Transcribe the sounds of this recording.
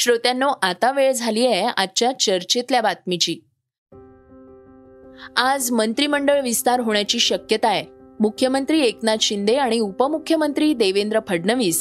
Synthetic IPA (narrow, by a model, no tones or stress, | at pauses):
ɕɾot̪janːoʔat̪aʋeɭd͡zʱalieaːt͡ɕjat͡ɕəɾt͡ɕet̪ljabat̪̚mit͡ɕiː | ad͡zmənt̪ɾiməɳɖəɭʋist̪aɾɦoɳjat͡ɕiːɕəkjət̪aemukʰjəmənt̪ɾiːeknad̪ɕind̪eaɽ̃iupəmukʰjəmənt̪ɾiːd̪eʋend̪ɾəpʰəɽnəʋiːs